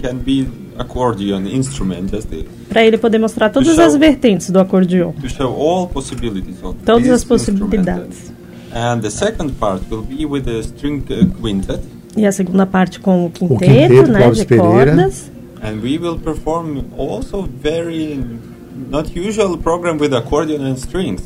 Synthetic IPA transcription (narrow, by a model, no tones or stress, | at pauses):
kɛ̃nbi | akʰɔɹd͡ʒiõnɪ̃nst̪ɾumɛ̰̃ntd͡ʒast̪ɪ̰tpɾɐelɪpod̪eɾmost̪ɾaɾt̪od̪ɐzɐzveɾt̪ẽnt͡ʃ̪ɪ̥zd̪ʊakoɾd͡ʒiõt̪uʃoʊɔlˠpɔsɪbɪlɪt̪izɔ̃t̪od̪ɐzɐsposibilid̪a̰d͡ʒɪs | ɛ̃nðəsɛkɔ̃nd̚paɾt̪̚wɪlˠbiwɪðəstɹĩŋwɪ̃ntʰəd | ɪɐseɡũnd̪ɐpaɾt͡ʃɪ̥kõw̃ʊkĩnẽeʊnɛd͡ʒɪpɔeɾd̪ɐs | ɛ̃nwiwɪlˠpɛɹfɔɹmɔlˠsovɛɹi | nɔt̪ʰjuʒualˠpɾɔɡɾɛ̃mwɪðakʰɔɹd̪iə̃nɛ̃nstɹĩŋs